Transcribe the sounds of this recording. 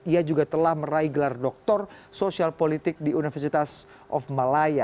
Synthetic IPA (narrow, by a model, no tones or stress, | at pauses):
iad͡ʒuɡat̪əlahməɾaiɡəlardɔk̚t̪ɔrsosialpolit̪ɪk̚diunifərsit̪as | ʔɔ̰fmalaja